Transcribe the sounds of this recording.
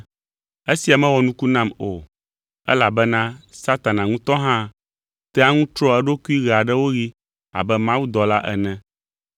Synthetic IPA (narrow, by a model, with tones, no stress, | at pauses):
e˦si˨a˨mɛ̃˦wɔ˨nũ˦ku˦nã˦mo˨ | ɛ̰˦la˨bɛ˦nã˦sa˦t̪a˨nã˨ŋũ˦t̪ɔ˦ɦã˦ | t̪ɛ˦a˦ŋũ˦t̪ɾɔ˦ɛ˦ɖo˦ku˦i˦ɣɛ˨a˨ɖɛ˦wo˦ɣi˦ | a̰˨bɛ˦mã˦wu˦d̪ɔ˨la˦ʔɛ̰˨nɛ̃˦